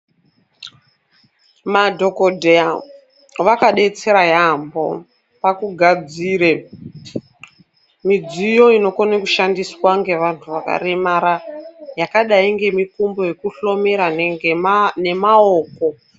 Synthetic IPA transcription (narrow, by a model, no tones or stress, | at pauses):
madʱo̞kodʱea | ʋakaɗe̞t͡se̞ɾajambo̞̰ | pakuɡʱad͡ziːɾe | mid͡zijo̞ino̞konekuʃandiswaŋɡe̞ʋantʰuʋaka̰remaɾajakaɗaiŋɡe̞mikumbo̞je̞kuɬo̞meɾa | ne̞maoːko̞